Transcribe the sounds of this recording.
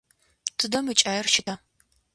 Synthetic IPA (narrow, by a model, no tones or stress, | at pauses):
tʰɨdɐmɨt͡ʃʼaːjɛrʃɪtʰaː